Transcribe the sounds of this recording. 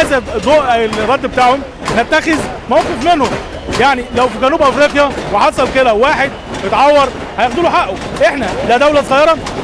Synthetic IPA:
zæd̪ˤoːʔlrˤːɑd̪ːbet̪aːʕhom | næt̪ːæxez | mæwqefmenhom | jaʕnilæwfiɡænuːbʔæfɾiːqjæweħɑsˤɑlked̪æwaːħed̪̚jet̪ʕɑwːɑɾˤ | hæjexd̪uːloħaʔːoʔeħnæd̪æd̪æwlæsˤɣɑjːɑɾˤɑ

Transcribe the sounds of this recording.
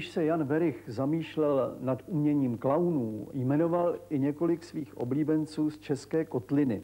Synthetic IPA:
ɪʃsɛjanvɛɾɪxzamiːʃlɛlnat̪ʔumɲɛɲiːmklawnuːjmɛno̞valɪɲɛko̞lɪksviːxʔo̞̰bliːbɛnt͡suːst͡ʃɛskɛːkot̪lɪnɪ̰

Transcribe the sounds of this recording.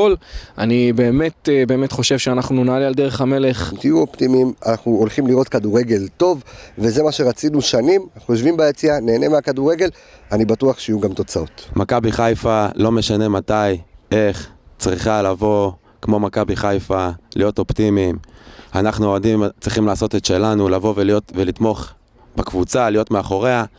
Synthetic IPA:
ola̰nibe̞ːme̞t̪be̞ːme̞t̪χo̞ʃe̞vʃeanaχnunaaliald̪e̞ʁe̞χame̞le̞χmt̪ijuoptimimanaχnuolχimliʁo̞tkaduʁe̞ɡe̞lt̪o̞vveze̞maʃe̞ʁat͡sinuʃanimanaχnujoʃvimbaet͡siane̞ːne̞meakaduʁe̞ɡe̞l | anibatuaχʃeijuɡamt̪o̞t͡sao̞tmakabiχajfalo̞me̞ʃane̞mataje̞χt͡sʁiχalavo̞ | kmo̞makabiχajfalijo̞t̪o̞ptimimanaχnuodimt͡sʁiχimlaːso̞tet̪ʃe̞lanulavo̞velijo̞t̪velit̪mo̞χ | bakvut͡salijo̞tmeaχo̞ʁe̞a

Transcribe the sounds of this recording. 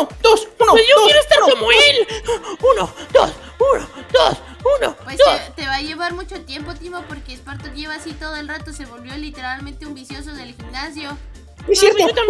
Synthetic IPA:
od̪osunojoojeɾoest̪aɾomelunod̪o̰s | unod̪o̰s | uno̰pwesd̪ost̪eβaʝe̞βaɾmut͡ʃo̞t̪je̞mpot̪imopo̞ɾkeːspaɾt̪oʝeβaːsit̪oðoelrat̪o̞seβo̞lβjo̞lit̪e̞ɾalmẽnt̪eumbisjo̞so̞ðelximnasjo̞ | iseɾo

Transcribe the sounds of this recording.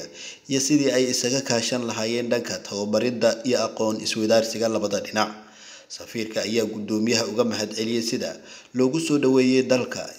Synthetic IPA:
ijɔsɪðiːɛjɪsɐɣɐkʰaːʃɐnlɐɦaːjɛːnɖɐŋkʰɐt̪ʰɐwɐbɐɾɪd̪ɐijɔɑqɔːnɪ̰swɪðaːrsɪɣɐlɐβɐðɐɖɪnɑʕ | sɐfiːrkʰɐɐjaːɡʊd̪ɔːmɪjɐɦɐʊɣɐmɐħɐd̪ʕɛlɪjɛjsɪðɐ̰ | lɔːɣʊsɔːɖɐwɛːjɛd̪ɐlkʰɐ̰

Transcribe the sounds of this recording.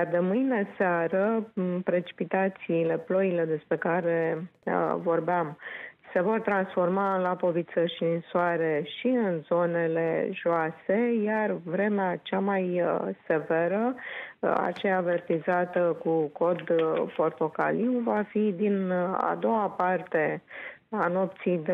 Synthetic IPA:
jard̪emɨjne̞seaɾəpɾe̞t͡ʃi̥pit̪at̪siːle̞plo̞ile̞d̪e̞spɾe̞kaɾe̞̰ | vo̞rbeamse̞vo̞rt̪ɾansfo̞rmalapo̞vit̪səʃiɨnsoaɾe̞ʃiɨnzo̞ne̞le̞̰ʒoase̞jarvɾe̞meat͡ʃamajse̞ve̞ɾə | a̰t͡ʃejaːve̞rt̪izat̪əkuko̞d̪po̞rt̪o̞kaliwvafid̪ina̰d̪o̞apart̪e̞ | ano̞p̚t̪sijd̪e

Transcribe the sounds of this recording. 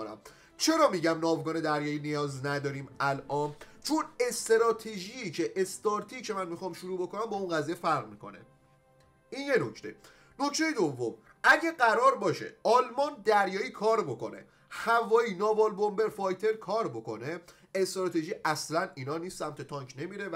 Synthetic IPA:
næ̰m | t͡ʃʰe̞ɾɒːmiːɟæmnɒːvɡɒːne̞d̪æɾjɒːiːnijɒːznæd̪ɒːɾiːmælʔɒːn | t͡ʃʰone̞st̪eɾɒːt̪ʰeʒiːcʰe̞ʔest̪ɒːɾt̪ʰicʰe̞mænmixɒːmʃuɾuːbo̞ko̞næmbɒunɢæziːjefæɾʁmikʰo̞̰nḛ | inje̞no̞kʰt̪ʰe̞̰ | no̞ct̪ʰe̞jed̪ovːo̞m | ʔæɟæɡæɾɒːɾbɒːʃe̞̰ɒːlmɒnd̪æɾjɒːiːkʰɒːɾbo̞ko̞̰nḛ | hævɒːiːnɒːbɒːlbo̞mbe̞ɾfɒjt̪ʰe̞ɾkʰɒːɾbo̞ko̞ne̞ | est̪ɾɒːt̪ʰe̞ʒiːʔæslæniːnɒːniːsːæmt̪ʰe̞t̪ʰɒŋkʰne̞miːɾe̞

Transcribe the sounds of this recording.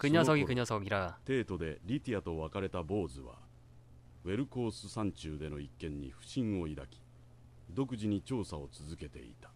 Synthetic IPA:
kɯɲosoɡʲikɯɲosoɡʲiɾaat̪e̞ːt̪o̞d̪e̞ɾʲit̪ʲiat̪o̞βakaɾe̞t̪abo̞ːzɨβa̰ | βe̞ɾɯ̟ko̞ːsɨsãɲ̟t͡ɕɨːd̪e̞no̞ikːẽ̞ɲ̟ːḭɸɯ̟̥ɕĩɰ̃o̞id̪akʲi̥ | d̪o̞kɯ̟ʑiɲ̟it͡ɕo̞ːsao̞t͡sɨzɨke̞t̪e̞̰ḭt̪ḁ

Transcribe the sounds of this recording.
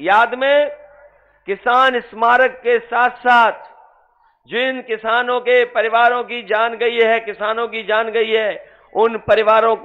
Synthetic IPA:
jaːd̪mẽ | kɪsaːnɪsmaːɾəkːesaːt̪ʰsaːt̪ʰ | d͡ʒɪɪnkɪsaːnõkepɐɾɪʋaːɾõkid͡ʒaːnɡɐiɦɛkɪsaːnõkid͡ʒaːnɡɐiɦɛː | ʊnpɐɾɪʋaːɾõk

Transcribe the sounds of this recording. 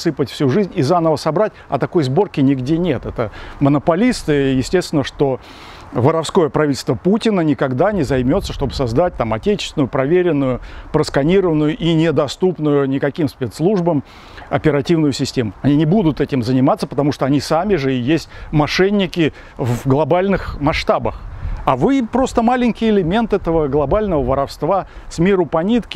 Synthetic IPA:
sɨpətʲfsʲuʐɨzʲnʲɪzanəvəsɐbɾatʲɐ̰t̪ɐko̞jzbo̞rkʲɪnʲɪɡdʲenʲe̞t̪ɛt̪əmənəpɐlʲist̪ɨjɪsʲtʲest̪ʲɪnːəʂt̪o̞ | vəɾɐfsko̞jəpɾɐvʲitlʲst̪vəputʲɪnənʲɪkɐɡd̪anʲɪzɐjmʲo̞t̪səʂt̪o̞bɨsɐzd̪at̚ʲt̪amɐtʲet͡ɕɪ̥sʲɪnʊjʊpɾɐvʲeɾʲɪnːʊjʊpɾəskɐnʲiɾəvənʊjʊʔinʲɪd̪ɐst̪upnʊjʊnʲɪkɐkʲimspʲet̪slˠuʐbəm | ɐpʲɪɾɐtʲivnʊjʊsʲɪsʲtʲemʊɐnʲinʲɪbud̪ʊt̪ɛtʲɪmzənʲɪmat̪səpət̪ɐmuʂt̪oɐnʲisamʲɪʐɨɪjesʲtʲmɐʂɛnʲːɪkʲɪ | vɡlˠɐbalʲnɨxmɐʂt̪abəxavɨpɾo̞st̪əmalʲɪnʲkʲɪjɪlʲɪmʲe̞nt̪ɛt̪əvəɡlˠɐbalʲnəvəvəɾɐfst̪vasmʲiɾʊpɐnʲit̪kʲɪ̥

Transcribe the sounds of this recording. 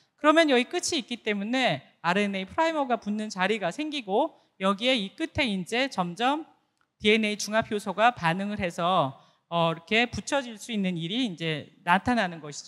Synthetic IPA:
kɯɾʌmjʌnjʌɡik͈ɯt͡ɕʰiːk͈it͈e̞mune̞ | aɾɯeneipʰɯɾaimʌɡapunːɯnt͡ɕaɾiɡasʰe̞ŋɡiɡo | jʌɡie̞ik͈ɯtʰe̞ind͡ʑe̞t͡ɕʌmd͡ʑʌm | tie̞ne̞it͡ɕuŋapʰjosʰoɡapanɯŋɯɭɾɦe̞sʰʌː | iɾʌkʰe̞put͡ɕʰʌd͡ʑiɭs͈uinːɯniɾiːnd͡ʑe̞natʰananɯnɡʌɕʰi̥d͡ʑo

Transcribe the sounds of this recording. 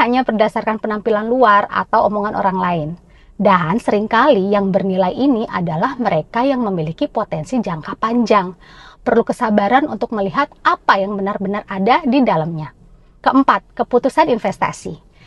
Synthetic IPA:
haɲabərdasarkanpənampilanluara̰t̪awomoŋanʔo̰ɾaŋlaɪn | dansəɾɪŋkalijaŋbərnilajiniʔa̰dalahməɾekajaŋməmilikipot̪ɛnsid͡ʒaŋkapaɲd͡ʒaŋ | pərlukəsabaɾanṵnt̪ʊk̚məliɦat̪̚apajaŋbənarbənaradadidalamɲa | kəəmpat̪̚kəput̪usaninfɛst̪a̰si

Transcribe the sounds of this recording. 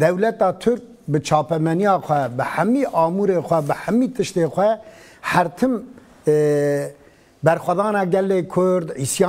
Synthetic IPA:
d̪ɛwlɛt̪ɑːt̪ʰʊɾk̚bɨt͡ʃʰɑːpɛmɛnijɑːxʷɛbɨħæmiʔɑːmuːɾeːxʷɛbɨħæmiːt̪ʰɨʃt̪eːxʷɛ | hæɾt̪ʰɨm | bɛɾxʷɛd̪ɑːnɑːɡɛlːeːkʰʊɾd̪ʕiːsjɑː

